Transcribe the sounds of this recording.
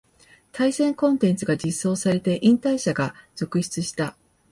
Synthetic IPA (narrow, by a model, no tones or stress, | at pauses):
t̪ʰaisẽ̞ŋkõ̞nt̪ẽ̞nt͡sɨɡad͡ʑisːo̞ːsaɾe̞t̪e̞ʔĩnt̪aiɕaɡaz̥o̞kɯ̟ɕi̥t͡sɨɕi̥t̪a